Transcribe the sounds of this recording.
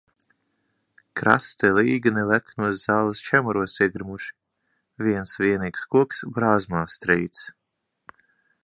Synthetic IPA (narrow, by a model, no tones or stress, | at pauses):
kɾa̰st̪ɛliːɡɨnilæknuɔszaːlˠast͡ʃæmuɾuɔsiɛɡɾmuʃi̥ | viɛnsviɛniːkskuɔksbɾaːzmaːst̪ɾijt̪s